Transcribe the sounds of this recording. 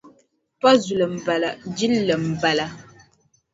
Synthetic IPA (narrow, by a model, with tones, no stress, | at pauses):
pɔ˦zu˨lə˨m̩˨bə˨lə˨d͡ʒi˦lːə˨m̩˨bə˨lə˨